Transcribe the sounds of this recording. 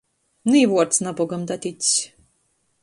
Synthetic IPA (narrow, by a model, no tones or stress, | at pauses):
niːvuɔɾt̪snabɔɡamd̪at̪ʲit̪ʲsʲ